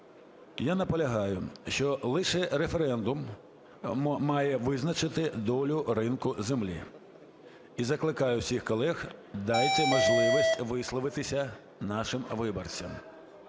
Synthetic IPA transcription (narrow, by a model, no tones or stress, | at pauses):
janɐpɔlʲɐɦɑjʊʃt͡ʃɔlˠɪʃɛɾefeɾɛnd̪ʊm | mɑjɛʋɪznɐt͡ʃɪt̪ɪd̪ɔlʲʊrɪnkʊzemlʲḭ | izɐklˠɪkɑjʊwsʲixkɔlˠɛxd̪ɑjt̪ʲɛmɐʒlˠɪʋisʲtʲʋɪslˠɔʋɪt̪ɪsʲɐ | nɑʃɪmʋɪbɔrt͡sʲɐm